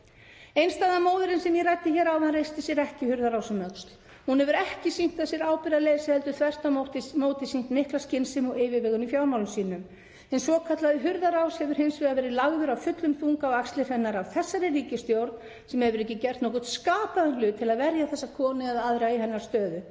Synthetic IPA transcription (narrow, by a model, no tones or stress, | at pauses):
ejnst̪aːðamoːwðʏɾɪnsɛnjɛrajt̪ːɪçɛːɾawanrejst̪ɪsjɛɾɛhcɪhʏɾðaɾawsɪmœt̪st̪ | hunhɛvʏɾɛhcɪsim̥t̪asjɛɾaːwpɪɾalejsɪhɛlt̪ʏθʰvɛr̥t̪aoht̪ɪmoːwt̪ɪsim̥t̪mɪhklascɪnsɪmɔeːjvɪvɛːɣʏnifjawɾmawlʏmsiːnʏm | ɛnsɔkʰat̪laðɪɦʏɾðaɾawshɛvʏɾ̥hejnsvɪɣavɛːɾɪðlaɣðʏɾawfʏt̪lʏmθuŋkawakst̪lɪɾ̥hɛnːaɾawθɛsːaɾɪriːcɪst̪jowɾt̪n | sɛmhɛvʏɾɛhcːɪcɛr̥t̪nɔhkʊt̪skaːpaðʏlʏːt̪ʰːɪlaðvɛɾjaθɛsːakʰɔːnɪaðaðɾaɣiɦɛnːaɾ̥st̪œːðʏ